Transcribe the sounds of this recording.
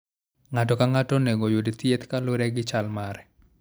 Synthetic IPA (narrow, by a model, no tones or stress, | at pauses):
ŋatɔkaŋatɔneɡojodit̪jet̪kaloɾɛɡɪt͡ʃalmaɾɛ